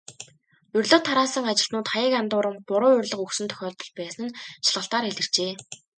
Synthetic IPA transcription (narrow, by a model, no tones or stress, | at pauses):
ɵrʲɮŏːwt̪ʰːaɾaːsə̆ŋat͡ɕɪ̆ɬt̪nʊːt̪χajə̆kant̪ʊːɾə̆mpʊɾʊːɵrʲɮə̆χɵksɵ̆nt̪ʰœ̥xʲɔːɮt̪ɞ̆ɮpæːsə̆nʃaɮʁə̆ɬt̪aːɾeɮɘ̆r̥t͡ɕeː